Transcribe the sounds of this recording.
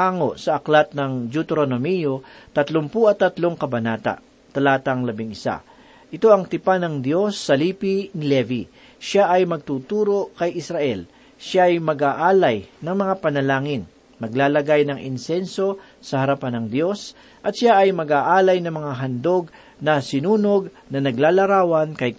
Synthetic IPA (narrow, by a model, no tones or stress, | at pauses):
aːŋo̞sɐʔɐklat̪̚nɐŋd͡ʒut̪ɛɾonomijot̪ɐt̪loŋpuʔɐt̪ːɐt̪lo̞ŋkɐbɐnaːt̪a̰ʔ | t̪ɐlaːt̪ɐŋlɐbɪŋɪsa̰ | ʔɪt̪o̞ʔɐŋt̪ɪpanɐŋd̪jo̞sːɐliːpinɪlɛvi | ʃaʔɐjmɐɡ̚t̪uːt̪uːɾo̞kɐjʔɪsɾɐʔɛl | ʃaʔːjmɐɡaːʔaːlɐjnɐŋmɐŋapɐnɐlaːŋɪn | mɐɡlaːlɐɡajnɐŋʔɪ̰nsɛnso̞ | sɐhɐɾɐpanɐŋd̪jo̞s | ʔɐt̪ʃaʔɐjmɐɡaːʔaːlɐjnɐŋmɐŋaɦɐnd̪o̞ɡ̚ | nɐsɪnuːnoɡ̚ | nɐnɐɡlaːlɐɾaːwɐnkɐj